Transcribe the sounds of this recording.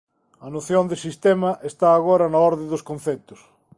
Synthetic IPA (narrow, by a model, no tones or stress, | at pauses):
ɐnoθjond̪ɪsist̪ɛmɐʔest̪aːɣoɾɐnaɔɾðẽd̪ʊskon̟θɛt̪ʊ̥s